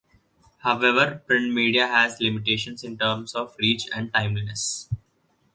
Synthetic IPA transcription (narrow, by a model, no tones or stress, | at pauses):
haʊʋeʋəɾpɾɪ̃ɳʈmiːɖijaɦæzlɪmɪʈ̬eːʃə̃nsɪ̃ɳʈəːɾmsɔːʋɾiːt͡ʃɛ̰̃ɳɖ̚ʈãɪ̃mlinəs